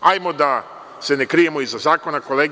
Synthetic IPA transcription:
ajmod̪a | se̞nekɾije̞moizazaːko̞nako̞leɡ

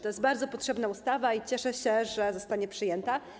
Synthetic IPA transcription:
t̪ɔjɛst̪baɾd̪zɔpɔtʂɛbnaust̪avait͡ɕɛʂɛɕɛʐɛzɔst̪aɲɛpʂɘjɛnt̪a

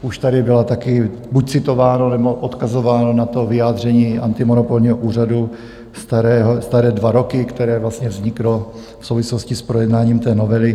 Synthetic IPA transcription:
ʔuʃt̪adɪbɪlat̪akɪbuc̚t͡sɪt̪o̞vaːnonɛbo̞ʔot̪kazovaːnonat̪o̞vɪjaːd̪r̝ɛɲiːʔa̰nt̪ɪmonopolɲiːɦoʔuːradu | st̪aɾɛːɦost̪aɾɛːdvaɾo̞kɪkt̪ɛɾɛːvlast̪ɲɛvzɲɪklo | fsowvɪsloscɪspɾo̞jɛdnaːɲiːmt̪ɛːnovɛlɪ

